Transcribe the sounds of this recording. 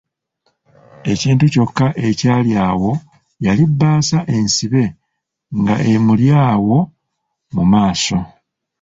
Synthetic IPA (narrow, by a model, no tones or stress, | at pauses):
e̞ciːntuco̞kːaʔe̞caːljaːwo̞ | jalibːaːsaʔe̞nsiβe̞ | ŋɡa̰ʔe̞muljaːwo̞ | mumaːso̞